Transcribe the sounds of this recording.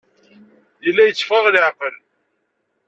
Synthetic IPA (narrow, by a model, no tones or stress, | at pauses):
jəlːæjət͡sːfəʁlɪʕqəl